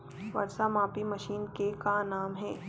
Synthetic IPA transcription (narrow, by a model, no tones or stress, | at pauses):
ʋɐ̰ɾsamaːpimɐʃiːnkekanaːmɦɛ̃ː